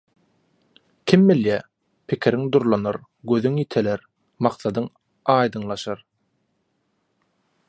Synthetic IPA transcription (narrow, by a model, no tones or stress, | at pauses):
kʲʰimbiljæ | pʰɪkʲʰiɾiŋd̪uɾlˠɑnɯɾ | ɡøðyŋjit̪ʰeleɾ | mɑqθɑd̪ɯŋ | ɑːjd̪ɯŋlˠɑʃɑɾ